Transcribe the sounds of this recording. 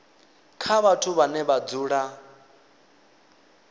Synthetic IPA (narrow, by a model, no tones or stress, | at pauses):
kʰaβatʰuβanɛβad͡zuːɺa